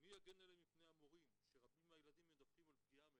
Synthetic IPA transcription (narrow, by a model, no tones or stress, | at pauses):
mijaɡenelemipnejamo̞ʁimʃeʁabimajelad̪imjed̪afkimalpɡiame